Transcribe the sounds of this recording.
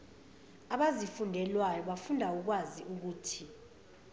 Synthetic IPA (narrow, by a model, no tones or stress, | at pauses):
aɓazifundʱɛlwajɔɓafundʱauk̬waziʔuk̬uːtʰi